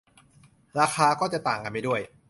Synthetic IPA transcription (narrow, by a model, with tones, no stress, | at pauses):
ɾaː˧xʰaː˧kɔː˥˩t͡ɕa˨˩t̪aː˨˩ŋka˧nma˥˩du˥˩əj